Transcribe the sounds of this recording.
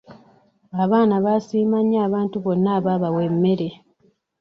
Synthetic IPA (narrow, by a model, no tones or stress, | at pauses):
aβaːnaβasiːmaɲːaːβaːntuβo̞nːaːβaβawe̞mːe̞ɾe̞